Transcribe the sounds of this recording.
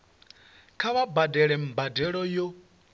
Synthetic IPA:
kʰaβabadɛɺɛm̩badɛɺɔjɔ

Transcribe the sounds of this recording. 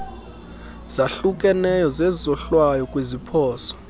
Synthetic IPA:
z̥aɬukʼɛnɛjɔzezzɔɬwajɔkʼwezipʰɔːsɔ̥

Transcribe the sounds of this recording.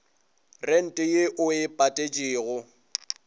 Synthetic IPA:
ren̩tʼɪjeʔʊɪpʼatʼet͡ʃʼɪːɣʊ

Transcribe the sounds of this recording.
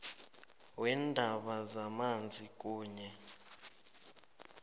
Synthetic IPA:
wɛndʱaɓazamand͡zʱik̬ʼuːɲɛ

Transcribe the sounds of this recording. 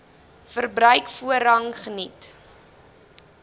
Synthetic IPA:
fərbrœɥkfuəɾɐŋχənit

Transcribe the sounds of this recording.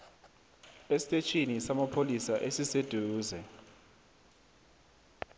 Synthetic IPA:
esi̥tʼet͡ʃʰinisamapʰolisaʔesised̥ʱuːzɛ

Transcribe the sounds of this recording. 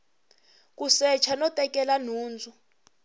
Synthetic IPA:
k̬usɛt͡ʃʰanɔtʼɛk̬ʼɛlanuːnd͡zʱu

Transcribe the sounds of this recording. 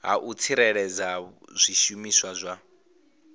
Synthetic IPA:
ɦa̰ʔut͡sʰiɾɛɺɛd͡zaz̥ʷiʃumiswazʷa

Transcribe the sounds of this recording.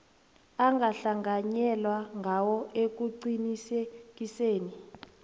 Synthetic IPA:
aŋɡʱaɬaŋɡaɲɛlwaŋɡʱawɔek̬uǀinisek̬iseːni

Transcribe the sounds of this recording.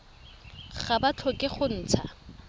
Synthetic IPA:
χabat͡ɬʰɔkʼɪχʊn̩ːt͡sʰa

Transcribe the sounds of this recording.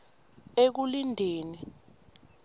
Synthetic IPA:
ek̬ulindʱeːni

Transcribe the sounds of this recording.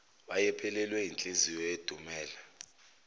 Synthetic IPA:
ɓajɛpʰɛlɛlwɛint͡ɬʼezijɔed̥ʱumɛːla

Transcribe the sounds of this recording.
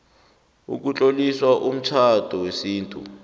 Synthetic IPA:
ṵk̬ut͡ɬʼoliswaʔum̩t͡ʃʰatɔwesiːntʼṵ

